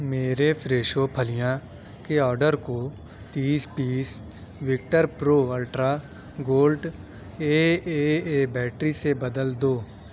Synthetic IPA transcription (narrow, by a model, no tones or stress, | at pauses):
meːɾepʰɾeːʃopʰəlɪjã | keɔːɾɖəɾko | t̪iːspiːs | ʋɪk̚ʈəɾpɾoːəlʈɾa | ɡoːlɖ | eːeeːbɛːʈɾisebɐd̪əld̪oː